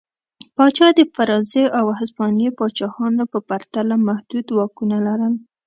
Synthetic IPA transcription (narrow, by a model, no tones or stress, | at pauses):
pɑt͡ʃɑd̪əfaɾɑzeʔawhasbɑnepɑt͡ʃɑxɑnopəpaɾt̪alamahd̪̥ud̪wɑkunalaɾəl